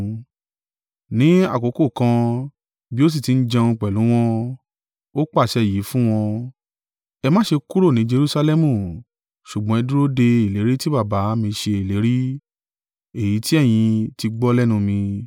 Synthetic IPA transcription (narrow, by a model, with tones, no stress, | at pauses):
nĩ˨˦a̰˦˨ko˨˦ko˦˨kã˧ | bi˦o˦s̬i˦˨ti˨˦n̩˦d͡ʒã˧ũ˧k͡pɛ˨lũ˨˦w̃ɔ̃˦ | o˦k͡pa˦˨ʃɛ˧˦˨ji˨˦fũ˦w̃ɔ̃˧ | ɛ˧mã˦ʃe˧ku˦ɾo˦˨nĩ˨˦d͡ʒe˧ɾu˧sa˧lɛ˦mũ˦˨ | ʃu˨ɡ͡bɔ̃˦ɛ˧dũ˦ɾo˦de˧i˨le˨˦ɾi˦ti˦ba˦˨ba˨˦mĩ˧ʃe˧i˨le˨˦ɾi˦ | e˦˨ji˨˦ti˦ɛ˦˨j̃ĩ˧ti˧ɡ͡bɔ˦lɛ˦nũ˧mĩ˧